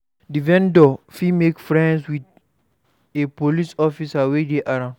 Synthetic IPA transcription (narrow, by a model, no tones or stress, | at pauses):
divɛ̃ndɔfimekfɹɛ̃nswit | epolisɔfisawedeʔaɾã